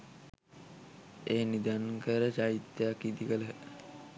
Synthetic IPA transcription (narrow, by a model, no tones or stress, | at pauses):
eːnid̪ankəɾəd͡ʒait̪jakid̪ikələɦe